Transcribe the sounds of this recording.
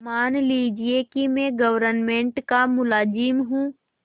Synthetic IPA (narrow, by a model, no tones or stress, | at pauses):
maːnliːd͡ʒiekimẽɡəʋəɾənmẽːɳʈkamʊlaːd͡ʒimɦũː